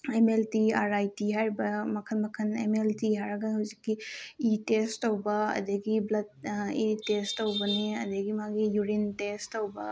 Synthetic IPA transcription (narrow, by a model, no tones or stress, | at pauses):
emeltiaɾajtiɦaɾibɐmɐkʰɐnmɐkʰɐnḛmeltiɦaɾɐɡɐnɦɐwzikːiitestːɐwbɐɐ̰d̪ɐɡiblɐd̚itestːɐwbɐniɐ̰d̪ɐɡimaɡijuɾintestːɐwbɐ